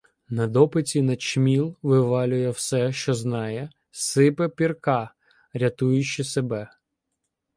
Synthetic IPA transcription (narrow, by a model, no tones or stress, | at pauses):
nɐd̪ɔpɪt͡sʲinɐt͡ʃmʲilˠʋɪʋɑlʲʊjɛwsɛʃt͡ʃɔznɑjɛ | sɪpɛpʲirkɑ | ɾʲɐt̪ujʊt͡ʃːɪsebɛ